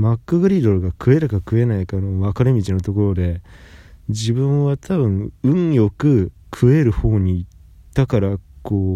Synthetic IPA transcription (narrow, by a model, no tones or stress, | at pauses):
makːɯ̟ɡɯ̟ɾʲid̪o̞ɾɯ̟ɡakʰɯ̟e̞ɾɯ̟kakɯ̟e̞naikanoβakaɾɯmʲit͡ɕino̞t̪o̞ko̞ɾo̞d̪e̞ | d͡ʑibɯ̟̃ɰ̃βat̪ʰabɯ̟̃ŋ̃ɯ̟̃ŋjo̞kɯ̟ | kʰɯ̟e̞ɾɯ̟ho̞ːɲ̟iː | t̪ːakaɾakʰoː